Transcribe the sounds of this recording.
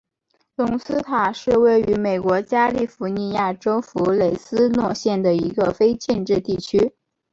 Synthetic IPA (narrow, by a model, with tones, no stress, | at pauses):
lʊ˧˥ŋsɹ̩˥t̪ʰa˨˩ʂɻ̩˥˧we˥˩ɪy˧˥me˨˩ɪkwɔ˧˥t͡ɕja˥li˥˩fu˧˥ni˧ja˥˩ʈ͡ʂo˥ʊfu˧˥le˨˩ɪsɹ̩˥nwɔ˥˧ɕjɛ˥˩nd̪ə˩i˧˥ɡə˧fe˥ɪt͡ɕɛ˥˧nʈ͡ʂɻ̩˥˧t̪i˥˩t͡ɕʰy˥